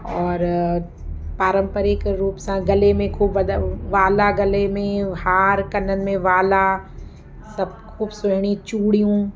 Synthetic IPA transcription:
ɔːɾ | paːɾə̃mpəɾɪkɾuːpsãɡɐlemẽkʰuːbʋɐd̪aʋaːlaɡɐlemẽhaːɾkɐnːənmẽʋaːla | sɐb̚kʰuːbsʊɦɽ̃it͡ʃuːɽijũ

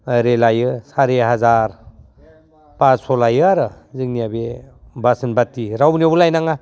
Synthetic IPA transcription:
ɾelajɯsaɾeɦazaɾ | pasɔlajɯaɾɯ | zɯŋnijabebasɯnbatːiɾawniabulajnaŋa

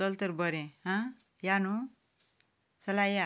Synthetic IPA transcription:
ʌlt̪ʌɾbʌɾẽɦʌ̃ | janu | sʌlaja

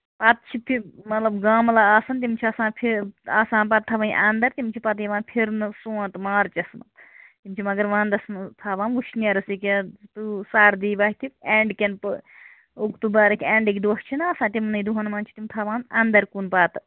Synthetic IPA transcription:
pɐt̪̚t͡ʃʰipʰimɐt̪lɐbɡaːmlaaːsɐnt̪̬imt͡ʃʰiɐsãːpʰiaːsãːnpɐt̪ʰːɐʋɐːnʲʔɐnd̪ɐɾt̪imt͡ʃʰipɐt̪̬iʋãːnpʰiɾnɨsũːt̪maːɾt͡ʃɐsnɨt̪imt͡ʃʰimɐɡɐɾʋãːnd̪ɐsnt̪ʰaːʋãːnʋuʃʰniɐːɾɐsikʲet̪usaːɾd̪iːʋaːɦit̪ʰipeːɳɖkʲɐnp | ukt̪ubaːɾɐkʰʲeːɳɖikʲid̪oːʃt͡ʃʰinɨɐsãːt̪imnɐid̪uɦɐnmãːnt͡ʃʰi̥t̪imt̪ʰɐʋaːnɐnd̪ɐɾkunpaːt̪

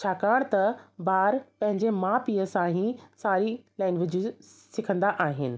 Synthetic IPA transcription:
t͡ɕʰaːkaːɽ̃t̪ɐbaːɾpɐ̃ɦɪ̃ɲd͡ʑemãːpiːəsãɦĩsaːɾilaːɪnʋɪd͡ʑʱisɪkʰə̃nd̪aʔaːɦɪnɪ̆

